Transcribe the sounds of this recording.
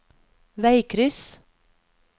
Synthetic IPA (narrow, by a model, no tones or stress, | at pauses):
ʋæɪkʰɾʏs